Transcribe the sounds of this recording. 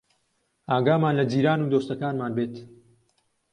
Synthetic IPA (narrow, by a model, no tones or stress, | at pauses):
aːɡaːmaːnlɐd͡ʒiːɾaːnuːd̪oːst̪ɐkaːnmaːnbeːt̪